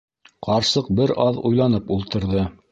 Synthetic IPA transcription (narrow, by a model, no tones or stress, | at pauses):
qʰɑɾsɤq̚bɘɾɑðṵjlˠɑnɤpulˠt̪ɤ̆ɾðɤ